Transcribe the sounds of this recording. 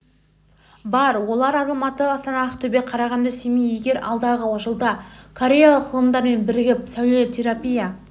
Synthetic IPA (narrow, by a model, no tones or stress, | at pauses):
bɑɾwo̞lˠɑɾɑzˠɑmɑt̪əɑst̪ɑnɑəqt̪ʰɵbe̞qʰɑɾɑʁɑnd̪ɑsemije̞ɡʲe̞ɾɑ̰lˠd̪ɑʁəwɑʃəlˠd̪ɑkʰoɾʲe̞jalˠəqːʰəlˠəmd̪ɑɾme̞nbɪɾɪɡʲɪp̚sæwlet̪ʰe̞ɾapija